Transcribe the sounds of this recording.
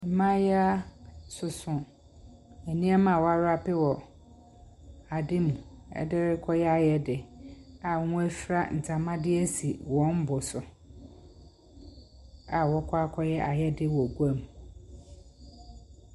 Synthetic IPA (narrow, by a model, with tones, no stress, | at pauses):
m̩˨˦mã˦jɛ˦a˦sʊ˨sʊ̃˨ | æ˨nĩ˦ɛ˦mã˨wɔ˦a˦ɾa˦pɪ˦wɔ˨ | a˨dɪ˦mũ˨ɛ̰˦dɪ˦ɾɪ˦kʰɔ˦jɛ˦a˨jɛ˦dɪ˨a˨ŋ̃˦æ˦fɾa˦˨n̩˨t͡sʰã˨mã˦dɪ˦ɛ˦si˨wɔ̃˦m˦bʊ˨sʊ˨ | a˨wɔ˦kʰɔ˦a˦kʰɔ˦jɛ˦ʔa˨jɛ˦dɪ˦wɔ˨ɡu˦a˦˨mu˨